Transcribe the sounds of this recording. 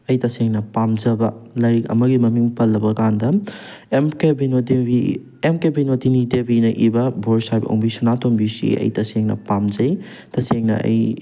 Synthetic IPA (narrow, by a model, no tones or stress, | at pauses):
ɐjtɐseŋnɐpamd͡ʒɐbɐlɐjkɐ̰mɐɡimɐmiŋpɐlːɐbɐkandɐemkebinodei | emkebinodinidebinɐʔibɐboɾsajbɐo̰ŋbisunatombisḭɐ̰jtɐseŋnɐ̰pamd͡ʒɐj | tɐseŋnɐ̰ɐ̰j